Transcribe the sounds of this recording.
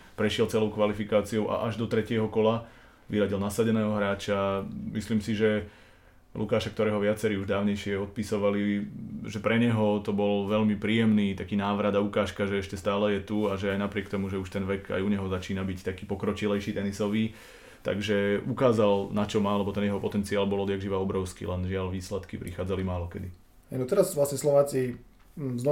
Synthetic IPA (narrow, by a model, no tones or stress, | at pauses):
pɾɛʃɪɛlt͡sɛlɔʊkʋalifikaːt͡sioʔa̰ʔaʒd̪ɔt̪ɾɛcɪɛɦɔkɔla | ʋiɾaɟilnasaɟɛnɛːɦɔɦɾaːt͡ʃamisliːmsiʒɛ | lṵkaːʃak̚t̪ɔɾɛːɦɔʋɪat͡sɛɾiːuʒd̪aːʊɲɛjʃɪɛɔt̪̚pisɔʋaliʒɛpɾɛɲɛɦɔt̪ɔbɔlʋɛʎmipɾiːjɛmniːt̪akiːnaːʋɾad̪aukaːʃkaʒɛɛʃcɛst̪aːlɛjɛt̪uaʒɛajnapɾɪɛkt̪ɔmuʒɛuʃt̪ɛnʋɛka̰juɲɛɦɔzat͡ʃiːnabict̪akiːpɔkɾɔt͡ʃilɛjʃiːt̪ɛnisɔʋiː | t̪a̰ɡʒɛukaːzalnat͡ʃɔmaːlɛbɔt̪ɛnjɛɦɔpɔt̪ɛnt͡siaːlbɔlˠɔd̪jaɡʒiʋaɔbɾɔʊskḭːlɛnʒɪalʋiːslɛt̪kḭpɾḭxaːd͡zalimaːlɔkɛd̪i | hɛjnɔt̪ɛɾazʋlasɲɛslɔʋaːt͡si | znɔ